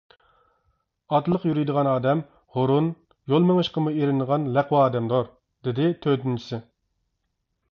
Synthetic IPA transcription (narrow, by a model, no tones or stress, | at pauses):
ɑt̪lˠəqjyɾijd̪əʁɑnɑːd̪ɛm | hoɾun | jolˠmeŋəʃqəmueɾɪnəʁɑnlæqwɑːd̪ɛmd̪oɾ | d̪ɪd̪ɪt̪ʰød̪ynt͡ʃʰi̥sɪ